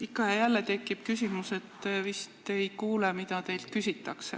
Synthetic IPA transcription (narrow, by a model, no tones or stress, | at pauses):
ikːˑɑjɑjælːet̪e̞kːˑib̥kysimuse̞t̪ːvist̪e̞jkuːlemit̪ɑt̪e̞jlt̪̚kysʲit̪ːˑɑksḛ